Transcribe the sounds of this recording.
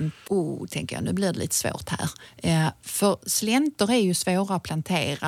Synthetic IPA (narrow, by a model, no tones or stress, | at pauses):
uːt̪ʰɛŋkəjɑ̰nʉ̟ːblɪɖɛlḭːt̪ə̥svo̰ːt̪hæ̰ːɾ | fœɾslɛnt̪əɾæɾjɵsvoːɾaʊpʰlant̪ʰeːɾa